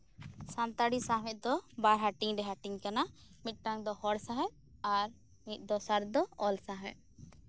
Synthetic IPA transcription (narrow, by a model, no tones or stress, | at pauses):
sãnt̪aɽisaɦmɛt̪̚d̪ɔbaɾɦaʈiŋɖɛɦaʈiŋkanamit̪̚ˀʈaŋd̪ɔhɔɽsaɦɛ̃ʔ | aɾ | mit̪̚ˀd̪ɔsaɾd̪ɔɔlsaɦɛ̰̃ʔ̚